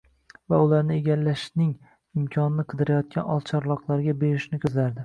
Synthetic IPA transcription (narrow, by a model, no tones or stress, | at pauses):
vaʊlaɾnɪeɡʲalːaʃnɪŋ | ɪmkʲʰɒnɪnɪqʰɨd̪ɪɾajɒt̪̚kʲanɒ̰lˠt͡ʃʰɒɾlˠɒqlˠaɾɡʲabe̞ɾɪʃnɪkʲʰɵzlaɾd̪ɪ